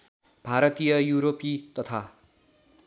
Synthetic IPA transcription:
bʱaɾʌt̪ijʌjuɾopit̪ʌt̪ʰa

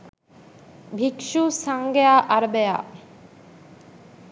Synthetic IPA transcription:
bʱikʃusaŋɡejaʔaɾbeja̰

